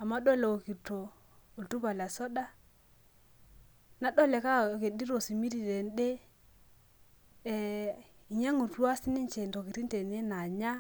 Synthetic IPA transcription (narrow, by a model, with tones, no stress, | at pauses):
a˨ma˦ɗɔ˦lɛ˨o˨ki˨to˨ | o˨tu˦ka˨la˨sɔ˦ɗa˦ | na˨˦ɗɔ˦lɛ˨ka˦˨ke˨di˦ɾo˨si˨mi˦ɾi˨ɾe˨n˦ɗe˦˨ | i˨ɲa˦ŋu˨twa˦sɪ˦nɪ˦ɲt͡ʃɛ˨nto˨ki˨ɾi˦n˦te˨ne˦na˨ɲa˦